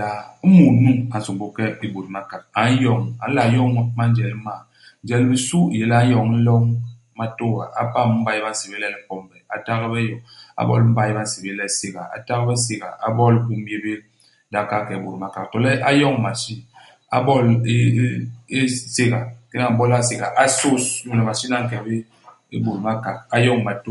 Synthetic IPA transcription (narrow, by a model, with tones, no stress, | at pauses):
a˨m̩˦mu˨˦nu˦ŋa˨n̩˨su˨ŋbo˦kɛ˦i˨bo˨ɾi˨ma˦ka˨k̚a˨n˦jɔ˨ŋa˨n̩˦la˨jɔ˦ŋ˦ma˦n̩˦d͡ʒɛ˨lma˨ | n̩˦d͡ʒɛ˨lmi˨su˦˨je˨la˦jɔ˨ŋ˦n̩˦lɔ˦ŋ | ma˦to˦˨a̰˨ʔa˦pa˦˨m˦m̩˦ba˨ji˦ba˦n̩˦se˨be˦lɛ˦lm̩˦pɔ˦m˦bɛ˨a̰˨ta˦ɣbɛ˦jɔ˨a̰˦bɔ̰˦lm̩˦ba˦˨i˦ba˦n̩˦se˨be˦lɛ˦se˦ɣa˨a̰˨ta˦ɣbɛ˦s̬e˦ɣa̰˨a̰˦bɔ˦lku˦je˦be˦ | da˨ka˦˨kɛ˨bo˨ɾma˦ka˨ktɔ˨lɛ˦ʔa˦jɔ˦˨ŋ˨ma˨si˦ | a̰˦bɔ˦˨le˦e˦se˦ɡa˨ke˦na˨bɔ˦la˦se˦˨ɡa˨ʔa˦so˦sju˦lɛ˨ma˨si˦na˦ŋ̩˦kɛ˨be˦ | ḛ˦bo˨ɾma˦ka˨k̚a˦jɔ˦ŋ˨ma˨to˦